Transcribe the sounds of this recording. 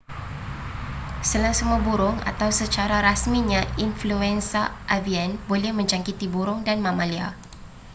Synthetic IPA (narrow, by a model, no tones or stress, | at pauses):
səlaŋsəməbuɾʊŋa̰t̪awsət͡ʃaɾaɾasmiɲãinfluɛnsaʔavianbolɛhmə̃ɲd͡ʒaŋkit̪ibuɾʊŋdanmãmalia̰